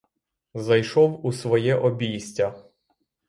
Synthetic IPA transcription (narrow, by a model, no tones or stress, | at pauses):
zɐjʃɔwusʋɔjɛʔɔbʲijsʲtʲɐ